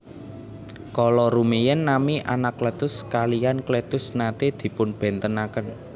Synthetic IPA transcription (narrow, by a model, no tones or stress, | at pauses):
kɔlɔɾumejənːamiʔanaklɛt̪ʊskalijanklet̪ʊsnat̪ed̪̥i̤pʊnb̥ɛ̤nt̪ənakən